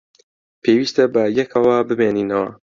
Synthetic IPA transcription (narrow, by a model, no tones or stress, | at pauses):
pʰewiːst̪ɐbɐjɛkʰɐwɐbɨbeːniːnɐwɐ̰